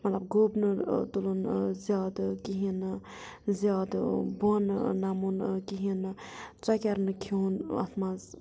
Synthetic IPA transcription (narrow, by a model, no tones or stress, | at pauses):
mɐt̪lɐb̚ɡobnɨt̪ulonzjaːd̪kiɦin | zjaːd̪bonnamunkiɦint͡sɐkʲɐɾnɨkʰonɐ̰t̪ʰmaz